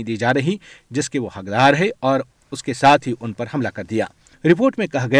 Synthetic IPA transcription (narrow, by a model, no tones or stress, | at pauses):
id̪iːd͡ʒaːɾɐɦid͡ʒɪskeʋohɐkd̪aːɾɦɛɔːɾ | ʊskesaːt̪ʰɦiʔʊnpɐɾɦɐmlakɐɾd̪ija̰ː | ɾɪpoːɾʈmẽkɐɦɡɐ